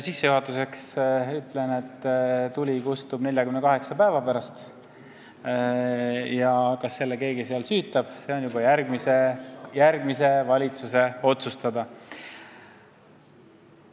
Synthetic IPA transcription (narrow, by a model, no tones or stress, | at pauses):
sisːe̞juɦɑt̪ːˑuse̞ksyt̪lene̞t̪ːt̪ulʲikust̪ubne̞lʲjɑkymnekɑɦe̞ksɑpæevɑpæɾɑst̪ | jɑkɑsːe̞lːeke̞ːɡiseɑlsyːt̪ːˑɑb̥se̞o̞njubɑjæɾɡ̥misejærɡ̥mise̞vɑlʲit̪suse̞o̞t̪sust̪ɑd̪ɑ